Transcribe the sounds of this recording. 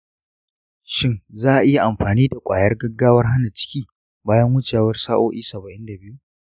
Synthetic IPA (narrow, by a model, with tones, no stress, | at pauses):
ʃɪ˦ŋzaː˦ʔa˨ʔɪ˦ja˨ʔa˨mɸaː˨niː˦da˨kʷʼaː˨jɐ˦rɡɐ˦ɡːaː˦wɐ˦rɦa˦na˨t͡ʃɪ̥˦kʲiː˦ | baː˦jɐ˦ŋwʊ˦t͡ʃaː˨wɐ˦rsaː˦ʔoː˦ʔiː˦sɐ˨bɐ˨ʔɪ˦nda˨bɪ˦ju˦